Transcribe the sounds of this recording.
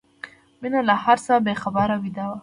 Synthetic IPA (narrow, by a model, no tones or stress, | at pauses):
minalahaɾsabexabaɾawid̪awa